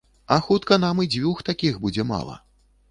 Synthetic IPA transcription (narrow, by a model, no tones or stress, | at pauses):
ɐxut̪kɐnamid͡zʲvʲuxt̪akʲixbud͡zʲɛma̰lˠɐ̰